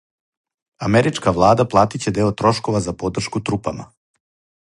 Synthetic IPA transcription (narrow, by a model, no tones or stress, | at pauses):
ameɾit͡ʃkaʋlˠaːd̪aplˠaːt̪it͡ɕe̞d̪e̞ːot̪ɾo̞ʃko̞ʋazapo̞d̪r̩ʃkut̪ɾupama̰